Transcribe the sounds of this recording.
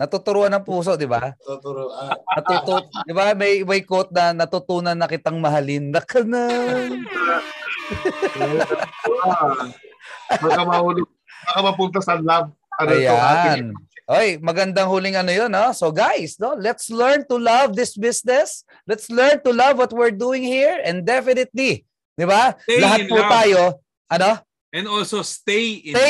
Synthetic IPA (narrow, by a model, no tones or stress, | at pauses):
nɐt̪ut̪ʊɾuʔanɐŋpuːso̞ʔd̪ɪbatɾʔnɐt̪ut̪ud̪ɪbamɐjmɐjkot̪̚nɐnɐt̪ut̪uːnɐnːɐkɪt̪aŋmɐɦalɪnd̪ɐkʰɐna | bakɐmɐhulɪ | bakɐmɐpʊnt̪̬ɐsɐlav̚ | pɐɾjanʔojmɐɡɐnd̪ɐŋhuːlɪŋɐnojonːo̞soɡajsnolɛt̪slɛɹnt̪ulɐvd̪ɪsbɪsnɛs | lɛt̪slɛɹnt̪ʊlɐvwɔt̪̚wɪɹd̪uːɪ̃ŋhiɹɛ̃nd̪ɛfɪnɪt̪̚li | d̪ɪbalɐɦat̚put̪aːjo̞ | ʔɐno̞ | ʔɛ̃nd̪olsost̪e